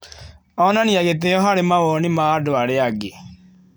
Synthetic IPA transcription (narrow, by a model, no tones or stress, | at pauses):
ɔnaniaɣeteɔɦaɾemaɣɔnimaːdoaɾeaɡe